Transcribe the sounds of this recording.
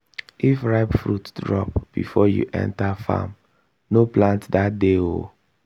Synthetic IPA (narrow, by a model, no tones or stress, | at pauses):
ifɹaɪpfɹutdɹɔpb̥ḭfɔjṵʔɛ̰̃ntafa̰m | noplãntdat̚deo